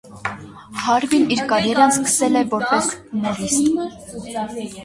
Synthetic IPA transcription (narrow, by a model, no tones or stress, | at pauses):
hɑɾviniɾkɑɾɛɾɑnskə̥sɛlɛvɔɾpɛsnɔɾist̪